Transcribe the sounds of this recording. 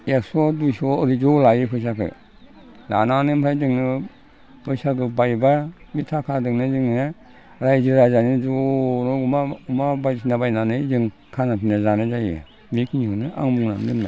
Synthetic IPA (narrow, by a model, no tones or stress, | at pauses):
eksɔdujsɔɯɾizɔlajipʰɯjs̬akʰɯ̰ | la̰nanɯmpʰɾajdɯŋnɯ | bɯjsakɯbajba | mitʰakʰadɯŋnɯzɯŋne | ɾajzɯɾazanɯd͡ʒɔnɔumaumabajs̬inabajnanɯzɯŋ | kʰanapʰinazanazajḭ | mikʰinihɯnɯʔa̰ŋmuŋna̰mdɯmna̰